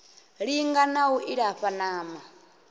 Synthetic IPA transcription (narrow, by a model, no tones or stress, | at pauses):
ɺiŋɡanawuʔiɾaɸanaːma